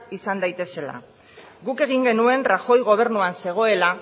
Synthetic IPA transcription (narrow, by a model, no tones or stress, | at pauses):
isand̪ajt̪e̞se̞la̰ | ɡuke̞ɣ̞iŋɡe̞nue̞nraxo̞jɣ̞o̞β̞e̞ɾnuanse̞ɣ̞o̞e̞la